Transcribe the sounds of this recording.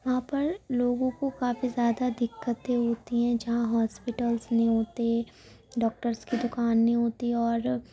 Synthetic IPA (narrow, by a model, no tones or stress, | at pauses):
ʋɐɦãpɐɾloːɡõkokaːfizjaːd̪ad̪ɪkːət̪ẽɦoːt̪iɦɛ̃d͡ʒɐɦãɦɔːspɪʈəlsnĩɦoːt̪e | ɖɔːk̚ʈəɾskid̪ʊkaːnːĩɦoːt̪iɔːɾ